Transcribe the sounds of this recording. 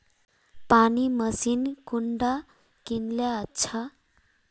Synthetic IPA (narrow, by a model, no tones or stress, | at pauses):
paniməsiːnkuɳɖa | kinljaətːɕʰa